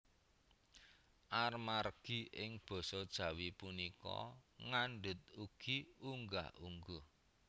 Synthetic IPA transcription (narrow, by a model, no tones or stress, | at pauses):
ʔarmarɡ̥i̤ʔɪŋb̥ɔ̤sɔd̥ʒ̥ä̤wipunikɔ̰ŋaɳɖʊt̪̚uɡ̥iuŋɡa̰uŋɡu